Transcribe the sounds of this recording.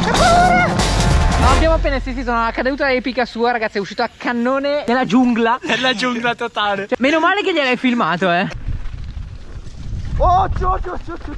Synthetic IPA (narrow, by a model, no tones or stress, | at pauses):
epːauːɾe | maːbːjaːmoapːeːnaesis̬isoːnaakːad̪uːt̪aɛpikasuːaɾaɡat̪siɛuʃːiːt̪oakːanːoːned̪elːad͡ʒuŋɡlaelːad͡ʒuŋɡlat̪ot̪aːlet͡ʃoɛmeːnomaːlek̬eʎialajfilmaːt̪oɛ | ot͡ʃot͡ʃot͡ʃot͡ʃ